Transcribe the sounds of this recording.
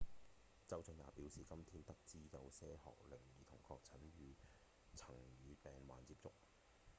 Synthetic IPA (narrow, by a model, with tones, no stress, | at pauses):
t͡sɐ˥wt͡sɵ˨˧njaː˨˩piː˨˥wsiː˨kɐ˥mt̪ʰiː˥nt̪ɐ˥k̚t͡siː˥jɐ˨˧wsɛː˥hɔ̰ː˨k̚lɪ˨˩ŋjiː˨t̪ʰʊ˨˩ŋkʰɔː˧k̚t͡sʰɐ˨˥nɥyː˨˧ | t͡sʰɐ˨˩ŋjyː˨˧pɛː˨ŋwa̰ː˨nt͡siː˧p̚t͡sʊ˥k̚